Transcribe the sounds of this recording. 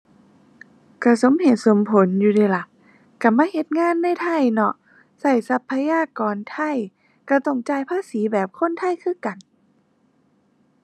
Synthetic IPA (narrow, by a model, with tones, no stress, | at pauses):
ka˧˩so˨˦mhe˨˧˩t̪̚so˨˦mpʰo˨˦njuː˧˩daː˧˩la˧˦ | ka˧˩maː˧˥˨he˧˦t̪̚ŋaː˧˥˨nːa˧˥˨jt̪ʰa˧˥˩jnɔ˧˩ʔ | sa˧˩jsa˧˥pʰːa˧jaː˧˥˨kɔː˨nt̪ʰa˧˥˩j | ka˧˩t̪ɔ˧˩ŋt͡ɕaː˧˩˨jpʰaː˧˥˨siː˨˦bɛː˨˩p̚kʰo˧˥˨nt̪ʰa˧˥˨jkʰɯː˧˥˨ka˨˩n